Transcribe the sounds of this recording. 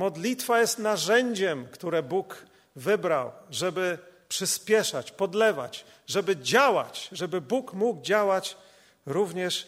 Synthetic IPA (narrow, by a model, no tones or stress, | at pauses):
mɔd̪lʲit̪fajɛst̪naʐɛɲd͡ʑɛmkt̪uɾɛbuk | vɘbɾa̰wʐɛbɘpʂɘspʲjɛʂat͡ɕpɔd̪lɛva̰t͡ɕ | ʐɛbɘd͡ʑawa̰t͡ɕʐɛbɘbukmuɡd͡ʑawat͡ɕ | ɾuvɲɛʂ